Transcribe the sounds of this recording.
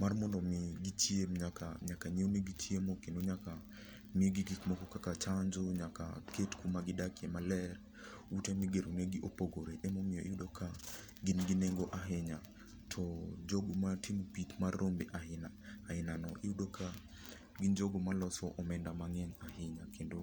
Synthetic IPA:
marmɔndɔmɪɡitjemɲakaɲakaɲewneɡitjemokenoɲaka | miɡiɡikmɔkɔkakat͡ʃaɲd͡ʒoɲaka̰ketkumaɡɪdakjɛmalɛr | utemiɡeɾoneɡiʔopoɡoɾeʔɛmomijɔ̰ʔiudokʰa | ɡɪnɡineŋɡoʔaɦɪɲa | tʰɔd͡ʒoɡomatimpitmarɾombeʔaɪnaː | ɪnanɔʔɪudokʰa | ɡɪɲd͡ʒoɡomalɔsɔʔɔmɛndamaŋɛɲaɦɪɲakendo

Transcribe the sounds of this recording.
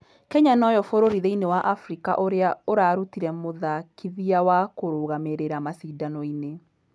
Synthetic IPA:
kɛɲanɔjɔfoɾoɾiðeinewaʔafɾika̰ʔoɾeaoɾaɾutiɾɛmoðakʰiðiawakoɾoɣameɾeɾamasiːdanɔine

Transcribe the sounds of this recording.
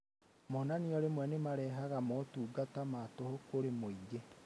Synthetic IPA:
mɔnaniɔɾemwɛnemaɾɛɦaɣamɔtuːɡatamatohokoɾemoiɡe

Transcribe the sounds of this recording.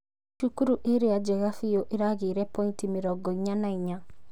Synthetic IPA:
ʃukuɾuʔeɾead͡ʒɛɣafioʔeɾaɣeɾɛpɔintimeɾɔɡɔiɲanaiɲa

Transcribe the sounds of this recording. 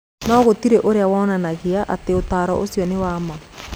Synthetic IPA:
naːɣotiɾɛʔoɾeawaɔnanaɣeaʔa̰teotaːɾɔ̰ʔosjɔnewaːma

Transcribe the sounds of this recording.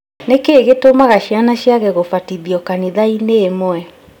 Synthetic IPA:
nekeːɣetomaɣaʃianaʃiaɣɛɣofatiðiɔkaniðaineːmwɛ

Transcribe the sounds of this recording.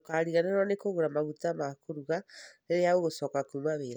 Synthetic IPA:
kaːɾiɣaneɾwɔnekoɣoɾamaɣutamakoɾuɣaeɾeaoɣosɔːkakumaβeɾa

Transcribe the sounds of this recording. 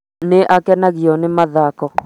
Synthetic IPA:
nɪʔakɛnaɡiɔnɪmaðakɔ

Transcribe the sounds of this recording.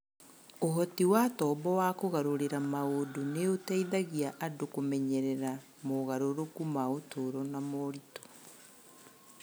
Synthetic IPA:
oɦɔtiwatɔːbɔwakoɣaɾoɾeɾamaodoneotɛiðaɣiaʔadokomɛɲɛɾɛɾa | moɣaɾoɾokumaotʰoɾɔnamɔɾitɔ̥

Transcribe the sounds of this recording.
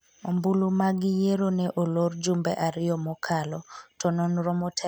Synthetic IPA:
ombulumaɡɪjeɾonɛʔolord͡ʒumbɛʔaɾɪɔmɔkʰalɔtɔnɔnɾɔmɔtʰɛ

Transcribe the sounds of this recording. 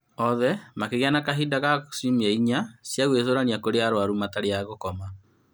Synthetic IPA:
ɔðɛmakeɣjanakaɦidaɣasimiɛiɲasjaɣwesoɾaniakoɾeaɾoaɾumataɾeaɣokɔma

